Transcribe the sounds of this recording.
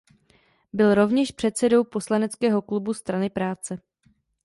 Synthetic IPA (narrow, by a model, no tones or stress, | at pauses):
bɪlɾo̞vɲɛʃpr̝̥ɛt̪sɛdo̞wpo̞slanɛt͡skɛːɦo̞klubust̪ɾanɪpɾaːt͡sɛ